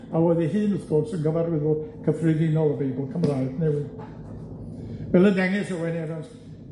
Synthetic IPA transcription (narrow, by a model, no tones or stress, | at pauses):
awɛðiɦɨːnəθkɔrsənɡəvaɾwɪðʊkʰəfrɪðɪnɔlˠəbejbʊlˠkʰəmraɨdnɛwɪ | vɛlˠədɛŋɪsəwɛnɛɾɔs